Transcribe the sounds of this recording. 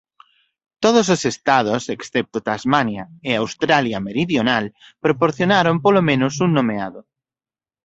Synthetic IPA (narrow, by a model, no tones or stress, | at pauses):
t̪oð̞ososest̪að̞oseksθɛp̚t̪ot̪azmanjaeawst̪ɾaljameɾiðjonalpɾopoɾθjonaɾompolomẽnosunnːomeaðo